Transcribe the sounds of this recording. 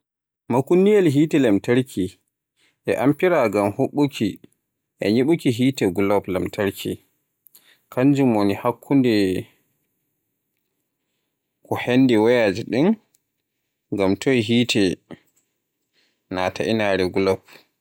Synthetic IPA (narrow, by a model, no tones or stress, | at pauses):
makunːijɛlɦiːtɛlamtaɾkʰi | ʔɛ̰ʔampiɾaɡamhoɓːukʰi | ʔɛ̰ɲiɓukiɦiːtɛɡulɔplamtʰaɾkʰḭ | kaɲd͡ʒumonihakʰːundɛ | kɔhenːdiwajaːd͡ʒiɗin | ɡamtʰɔjiɦiːtɛ | natʰaʔinaɾɛɡulɔp̚